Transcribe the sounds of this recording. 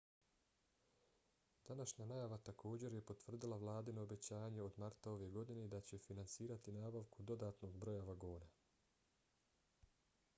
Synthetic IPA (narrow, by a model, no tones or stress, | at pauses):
d̪̥anaʃɲanajaʋat̪akʰo̞ːd͡ʑe̞ɾje̞po̞t̪ʋr̩d̪ilˠaʋlˠaːd̪ino̞ːbe̞t͡ɕaːjaɲe̞o̞d̪maɾt̪ao̞ʋe̞ɡo̞d̪ined̪at͡ɕe̞finansiːɾat̪inaːbaʋkud̪o̞d̪aːt̪no̞ɡbɾo̞jaʋaɡoːna